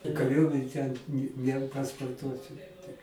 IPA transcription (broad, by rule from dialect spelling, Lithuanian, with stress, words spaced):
kɐˈrʲuɔmʲɛnʲ tʲɛn nʲɪ nʲɛpɐspoːrˈtuɔsʲɪ tʲɪk